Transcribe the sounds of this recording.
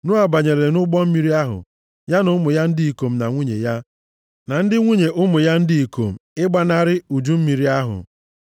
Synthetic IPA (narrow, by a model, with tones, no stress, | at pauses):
nʊ˦a˨ba˨ɲe˨ɾe˨nʊ˦ɡ͡bɔ˦m̩˦mi˦ɾi˦a˦ɦʊ̰˨ | ja˦nʊ˦mʊ˨ja˦n̩˦dɪ˦i˨ko˨m̩˨na̰˨ŋʷu˦ɲḛ˨ja˦ | na˨n̩˦dɪ˦ŋʷu˦ɲe˨ʔʊ˦mʊ˨ja˦n̩˦dɪ˦i˨ko̰˨m̩˨ɪ˦ɡ͡ba˦na˦ɾɪ˦u˨d͡ʒu˦m̩˦mi˨ɾi˦a˦ɦʊ̰˨